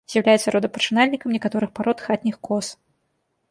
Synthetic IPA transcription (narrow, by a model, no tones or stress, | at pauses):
zʲjawlʲajɛt̪sɐɾɔd̪ɐpɐt͡ʂɨnalʲnʲikɐmnʲɛkat̪ɔɾɨxpaɾɔt̪xat̪ʲnʲixkɔs